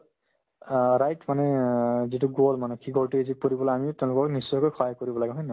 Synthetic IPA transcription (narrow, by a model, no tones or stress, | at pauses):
ɹajtmanɛzituɡolmanɛkʰiɡoltiizik̚poɹibɔlajamitẽʊ̃lʊkɔknisːɔjkojkʰɔjkoɹibɔlaɡɛɦɔjna